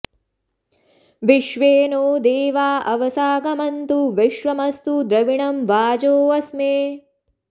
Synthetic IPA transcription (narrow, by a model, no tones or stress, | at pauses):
ʋiʃʋeːnoːd̪eːʋaːʔɐʋɐsaːɡɐmɐnt̪uʋiʃʋɐmɐst̪ud̪ɾɐʋiɳɐmʋaːd͡ʒoːʋɐsmeː